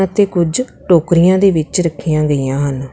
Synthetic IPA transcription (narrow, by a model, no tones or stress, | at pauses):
ət̪eːkʊd͡ʒʈoːkɾɪjãːd̪eːʋɪt͡ʃɾəkʰːijãːɡəijãːɦən